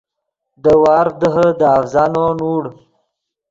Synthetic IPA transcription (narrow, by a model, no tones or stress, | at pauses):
d̪əwɑːɾd̪əɦəd̪əafzɑnonuːɽ